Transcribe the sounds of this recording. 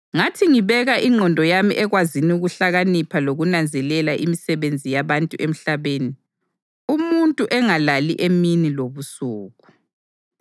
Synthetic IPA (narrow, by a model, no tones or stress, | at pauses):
ŋatʰiŋiβɛɣaʔiŋ͡ǁʱɔndʱɔjamḭʔɛɣwaziniuɣuɬaɣanipʰaloɣunand͡zʱɛlɛlaʔimisɛβend͡zʱijaβantʼuʔem̩ɬaβeːni | umuntʼuʔɛŋalaliʔeminiloβusuːɣu